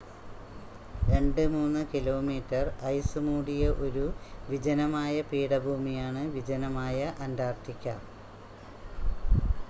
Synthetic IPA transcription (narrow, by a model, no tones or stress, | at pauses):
ɾe̞ɳɖɨmuːnːɨkilo̞ːmiːtːɐrɐjsɨmuːɽijɐʔo̞ɾuʋid͡ʑɐnɐmaːjɐpiːɽɐbʱuːmijaːɳɨʋid͡ʑɐnɐmaːjɐʔɐnd̪aːrt̪ikʲːɐ